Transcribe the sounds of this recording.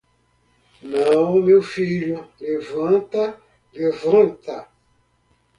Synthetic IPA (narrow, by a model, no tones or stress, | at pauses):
nãwmewfiʎulevãnt̪a | levãnt̪a